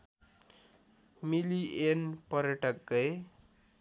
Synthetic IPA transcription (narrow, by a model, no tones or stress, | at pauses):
milienpʌɾjʌʈʌk̚ɡʌj